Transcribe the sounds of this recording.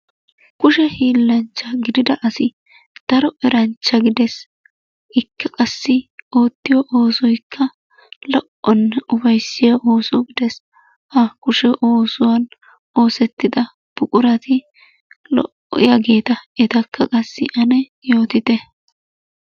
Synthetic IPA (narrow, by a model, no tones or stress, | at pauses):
kʊʃɛhiːlːɐnt͡ʃːɐɡɪd̪ɪd̪ɐʔɐsɪ | d̪̥ɐɾɔʔɛɾɐnt͡ʃːɐɡɪd̪ɛs | ɪkːɐkʼɐsːɪoːt̪ːɪjɔʔo̞ːsɔjkʰːɐ | lɔʔɔnːɛʊbɐjsɪjaʔoːsɔɡɪd̪ɛs | hɐkʊʃɛʔo̞ːsʊwɐn | oːsɛt̪ːɪd̪ɐ | b̥ʊkʼʊɾɐt̪ɪ | lɔ̰ʔɔ̰jaɡe̞ːt̪ɐɛt̪ɐkʰːɐkʼɐsːɪʔɐnɛ | jo̞ːt̪ɪt̪ɛ